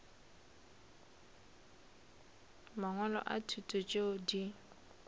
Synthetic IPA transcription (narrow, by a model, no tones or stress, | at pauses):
maŋɔlɔ̰ʔa̰tʰutʼʊt͡ʃʼeʊdi